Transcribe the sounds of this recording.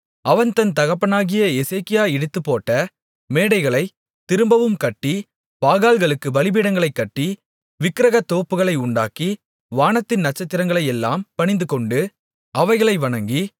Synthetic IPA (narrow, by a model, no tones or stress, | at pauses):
ʔɐʋɐnt̪ɐnt̪ɐɣɐpːɐnaːɣɪjɐɛseːkɪjaːɛɽɯt̪ːɯpːoːʈːɐ | meːɽɐɪɣɐɭɐɪ | t̪ɪɾɯmbɐʋɯmkɐʈːi | paːɣaːlɣɐɭɯkːɯbɐlɪbiːɽɐŋɡɐɭɐɪkːɐʈːi | ʋɪkːɪɾɐɣɐt̪ːoːpːɯɣɐɭɐɪʊɳɖa̰ːki | ʋaːnɐt̪ːɪnnɐʈ̚t͡ʃːɐt̪ːɪɾɐŋɡɐɭɐɪɛlːa̰ːmpɐɳɪnd̪ɯkɔɳɖɯ | ʔɐʋɐɪɣɐɭɐɪʋɐɳɐŋɡi